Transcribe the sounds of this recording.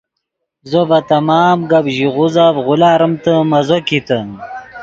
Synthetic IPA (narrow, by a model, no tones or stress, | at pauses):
zobɐt̪ɐmaːmɡɐbʑiʁuzavʁʊlaːɾəmt̪əmɐzokit̪ən